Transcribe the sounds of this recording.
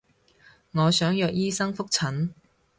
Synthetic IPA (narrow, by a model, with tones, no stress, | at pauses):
ŋɔː˨˧sœː˨˥ŋjœː˧k̚jiː˥sɐ˥ŋfʊ˥k̚t͡sʰɐ˨˥n